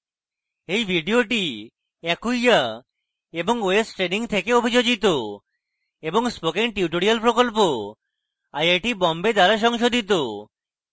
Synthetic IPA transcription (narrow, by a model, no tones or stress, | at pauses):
ejbʱiɖioʈi | ɛkuja | eboŋoesʈɾeniŋt̪ʰekeobʱid͡ʒod͡ʒit̪o | eboŋspokeŋʈiuʈoɽialpɾokolp̬o | ajajʈibɔmbed̪aɾaʃ̬ɔŋʃod̪ʱit̪̬o